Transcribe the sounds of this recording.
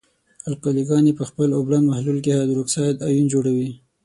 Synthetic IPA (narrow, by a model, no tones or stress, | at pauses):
alkoliɡɑnepəxpəloblanmahlulkehɑd̪ɾoksɑjd̪ɑjund͡ʒoɽawi